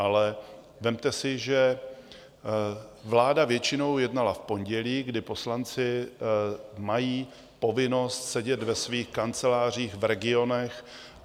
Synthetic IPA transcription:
ʔalɛ | vɛmt̪ɛsɪʒɛ | vlaːdavjɛt͡ʃɪno̞wjɛdnalafpo̞ɲɟɛliːɡdɪpo̞slant͡sɪ | majiː | po̞vɪno̞st̪sɛɟɛt̪vɛsviːxkant͡sɛlaːr̝iːxvɾɛɡɪo̞nɛx

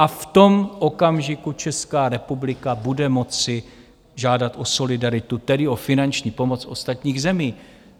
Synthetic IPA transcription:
ʔaft̪o̞mʔo̞kamʒɪkut͡ʃɛskaːɾɛpublɪkabudɛmo̞t͡sɪ | ʒaːdat̪ʔo̞so̞lɪdaɾɪt̪ut̪ɛdɪo̞fɪnant͡ʃɲiːpo̞mo̞t͡sʔo̞st̪at̪ɲiːɣzɛmiː

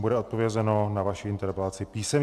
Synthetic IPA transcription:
budɛo̞t̪̚po̞vjɛzɛno̞navaʃiɪnt̪ɛɾpɛlat͡sɪpiːsɛm

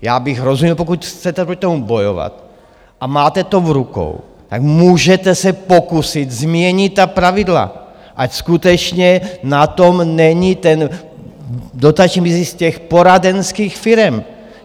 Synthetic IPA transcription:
jaːbiɣɾɔzumilpokucxt͡sɛt̪ɛpɾɔcit̪ɔmubɔjɔ̰ʋa̰t̪ | ʔamaːt̪ɛt̪ovɾukɔ̰w | t̪a̰ɡmuːʒɛt̪ɛsɛpokusit̪zmɪɛɲit̪̚t̪ːapɾaʋid̪la̰ | ʔacskut̪ɛt͡ʃɲɛnat̪ɔmnɛɲit̪ɛn | d̪ot̪at͡ʃimiziscɛxpoɾad̪ɛnskiːxfiɾɛm

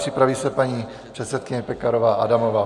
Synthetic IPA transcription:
r̥ipɾavisɛpaɲiː | pr̥ɛt̪sɛt̪̚kɪɲɛpɛkaɾovaːʔadamovaː

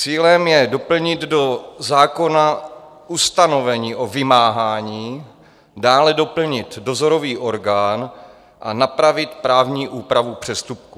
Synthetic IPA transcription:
t͡siːlɛmjɛdo̞pl̩ɲɪd̪do̞zaːko̞na | ust̪ano̞vɛɲiːʔo̞vɪmaːɦaːɲiː | daːlɛdo̞pl̩ɲɪt̪do̞zo̞ɾo̞viːʔo̞ɾɡaːn | ʔa̰napɾavɪt̪pɾaːvɲiːʔuːpɾavupr̝̥ɛst̪up̚ku

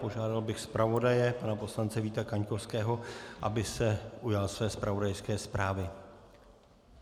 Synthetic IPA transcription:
po̞ʒaːdalbɪxspɾavo̞dajɛpanapo̞slant͡sɛviːt̪akaɲkofskɛːɦo̞ʔabɪsɛʔujalsvɛːspɾavo̞dajskɛːspɾaːvɪ

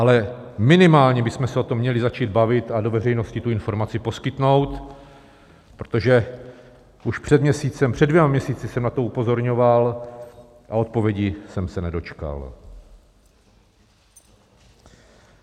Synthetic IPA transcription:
ʔalɛ | mɪnɪmaːlɲɛbɪsmɛsɛo̞t̪omːɲɛlɪzat͡ʃiːd̪̚bavɪt̪ado̞vɛrɛjno̞scɪt̪uɪnfo̞ɾmat͡sɪpo̞skɪt̪no̞wt̪ | pɾo̞̥t̪o̞ʒɛ | ʔuʃpr̥ɛd̪̚mɲɛsiːt͡sɛmpr̥ɛdvjɛmamɲɛsiːt͡sɪsɛmnat̪o̞upo̞zo̞ɾɲo̞val | ʔao̞t̪̚povjɛɟɪsɛmsɛnɛdo̞t͡ʃka̰l

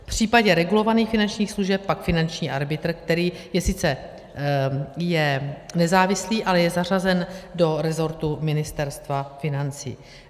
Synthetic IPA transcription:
fpr̝̥iːpaɟɛɾɛɡulo̞vaniːxfɪnant͡ʃɲiːxsluʒɛp̚ːakfɪnant͡ʃɲiːʔaɾbɪt̪r̩k̚t̪ɛɾiːjɛsɪt͡sɛ | jɛnɛzaːvɪsliːʔalɛjɛzar̝azɛndo̞ɾɛzo̞ɾt̪umɪnɪst̪ɛɾst̪vafɪnant͡sḭː

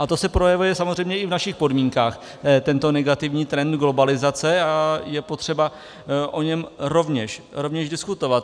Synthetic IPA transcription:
ʔat̪o̞sɛpɾo̞jɛvujɛsamozr̝ɛjmɲɛɪvnaʃɪxpo̞dmiːŋkaːx | t̪ɛnt̪o̞nɛɡat̪ɪvɲiːt̪ɾɛnd̪ɡlo̞balɪzat͡sɛajɛpot̪r̝̥ɛba | ʔo̞ɲɛmɾo̞vɲɛʃɾo̞vɲɛʒdɪskut̪o̞vat̪̚

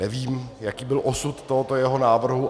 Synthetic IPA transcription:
nɛviːmjakiːbɪlʔo̞sut̪ːoɦot̪o̞jɛɦo̞naːvr̩ɦu

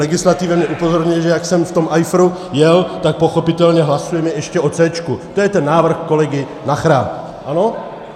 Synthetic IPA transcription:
lɛɡɪslat̪ɪvɛmɲɛʔupo̞zo̞ɾɲujɛʒɛjaksɛmft̪o̞mʔajfɾu | jɛlt̪ak̚poxo̞pɪt̪ɛlɲɛɦlasujɛmɛʔɛʃcɛʔo̞t͡sɛːt͡ʃkut̪ojɛt̪ɛnːaːvr̩xko̞lɛɡɪ | naxɾaːm | ʔano̞

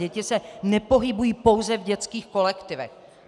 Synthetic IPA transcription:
ɛcɪsɛnɛpo̞ɦɪbujiːpo̞wzɛvɟɛt͡skiːxko̞lɛkt̪ɪvɛ̰x

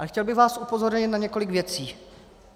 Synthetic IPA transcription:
aɛxcɛlbɪɣvaːsupozoɾɲɪt̪naɲɛko̞lɪɡvjɛt͡siː

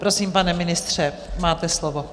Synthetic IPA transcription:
pɾo̞siːmpanɛmɪnɪst̪r̝̥ɛ | maːt̪ɛslovo

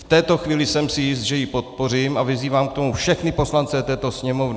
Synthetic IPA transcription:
ft̪ɛːt̪o̞xviːlɪsɛmsɪjɪst̪̚ʒɛjɪpo̞t̪̚po̞riːmavɪziːvaːmk̚t̪o̞mufʃɛxnɪpo̞slant͡sɛt̪ɛːt̪o̞sɲɛmo̞vnɪ

